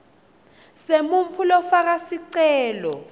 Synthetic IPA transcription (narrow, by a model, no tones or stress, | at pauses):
semuɱfulɔfak̬asiǀɛːlɔ